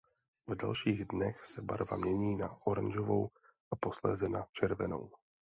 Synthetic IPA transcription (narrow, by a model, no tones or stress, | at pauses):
vda̰lʃiːɣdnɛxsɛba̰ɾva̰mɲɛɲiːnaʔoɾanʒovow | ʔapo̞slɛ̰ːzɛnat͡ʃɛɾvɛno̰w